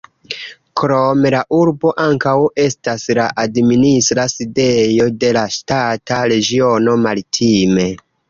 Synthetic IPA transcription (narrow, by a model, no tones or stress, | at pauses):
kɾo̞me̞laʔuɾbo̞ʔaŋkawe̞staslaʔadministɾaside̞jo̞de̞laʃtataɾe̞ɡio̞no̞maɾitʰime̞